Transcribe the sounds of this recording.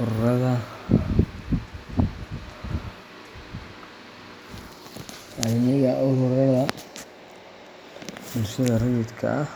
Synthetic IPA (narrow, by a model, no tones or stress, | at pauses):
ʊrɐðɐ | ɐnɪɣɐʔʊhʊrɐðɐ | bʊlʃɐðɐrɐjɪd̪kʰɐ̰ʔɐh